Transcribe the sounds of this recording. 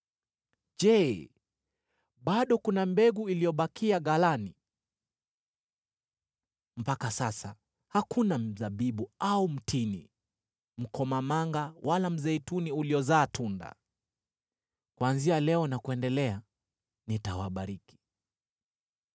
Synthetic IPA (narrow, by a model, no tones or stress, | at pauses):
d͡ʒɛ | ɓaɗɔkunambɛɡuilijɔɓakiaɠalani | m̩pakasasa | hakunam̩zaɓiɓuaum̩tini | m̩kɔmamaŋɡawʔalam̩zɛituniuliɔzaːtʰunda̰ | kwanzialɛɔnakuɛndɛlɛa | nitawa̰ɓaɾiki̥